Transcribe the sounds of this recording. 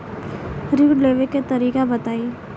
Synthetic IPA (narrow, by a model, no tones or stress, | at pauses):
ɾɪʋɖleːʋeket̪əɾiːkabɐt̪aːi